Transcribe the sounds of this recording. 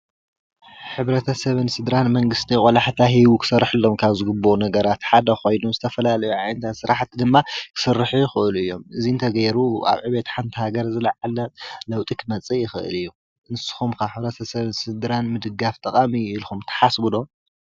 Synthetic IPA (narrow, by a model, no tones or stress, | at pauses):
ħɨβɾɐt̪ʰɐsɐβɨnsɨd̪ɾanmɐŋɡɨst̪ʰijχʼɔlaħt̪ʰaɦiβukʰɨ̥sɐrːħɨlːo̞mkʰaβzɨɡɨbːonɐɡɐɾat̪ħad̪ɐxo̞jnomzɨt̪ʰɐfɐlalɐjuʕajnt̪ʰat̪sɨɾaħt̪ʰd̪ɨmːakʰɨ̥sɨrːɨħujɪxɨʔɨluɨjːo̞mɨziɨnt̪ʰɐɡɐjɾua̰βʕɨβet̪ħant̪ʰihaɡɐɾzɨlɐʕalɐlɐwt̪ʼikʰɨmɐt͡sʼijɪxɨʔɨ̰lɨjːu | ɨnɨsɨ̥xumkʰaħɨβɾɐt̪ʰɐsɐβɨnsɨd̪ɾanmɨd̪ɨɡaft̪ʼɐqʼamiilxumt̪ʰɐ̥ħasbulom